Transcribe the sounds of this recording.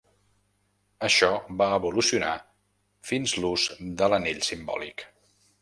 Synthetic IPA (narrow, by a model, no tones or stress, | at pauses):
əʃɔbaəβulusiuna | finzluzd̪ələneʎsimbɔ̰lḭk